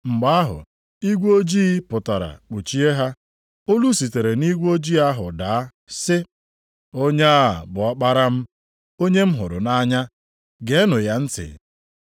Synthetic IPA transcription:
ŋ͡m̩˨ɡ͡ba˦a˦ɦʊ̰˨ | i˦ɡʷo˦d͡ʒi˦pʊ˨ta˨ɾa̰˨k͡pu˨t͡ʃi˦e˦ɦa˦ | o˦lu˦si˨te˨ɾe˨ni˦ɡʷo˦d͡ʒi˦a˦ɦʊ˨daː˨a˦ | sɪ˦ | o˦ɲe˦a˦˨bʊ˨ɔ˦k͡pa˦ɾa˦m̩˦ | o˦ɲe˦m̩˦ɦʊ˨ɾʊ̰˨na˦ɲa˦ | ɡe˨˦nʊ˨ja˦n̩˦tɪ̰˨

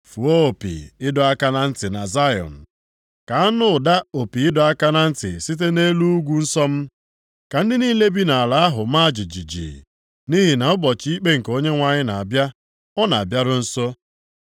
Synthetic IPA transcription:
fu˨o˦o˨pḭ˨ɪ˦dɔ˨a˦ka˦na˨n̩˦tɪ˨na˨za˦jɔ̰˨n̩˨ | ka˨a˦nʊ˦˨da˦o˨pi˨ɪ˦dɔ˨a˦ka˦na˦n̩˦tɪ̰˨si˦t̬e˦ne˦lu˦u˦ɡʷu˦n̩˦sɔ˦m̩˦ | ka˨n̩˦dɪ˦niː˦le˦bi˦na˨a˨la˨a˦ɦʊ˨ma˦˨d͡ʒi˨d͡ʒi˨d͡ʒḭ˨ | ni˦ɦi˨na˨ʊ˦bɔ˨t͡ʃi˦i˦k͡pe˦ŋ̩˨ko˦ɲe˦ŋʷa˨ɲɪ˦na˨a˨bja˦ | ɔ˦na˨a̰˨bja˦ɾʊ˦n̩˦so˦

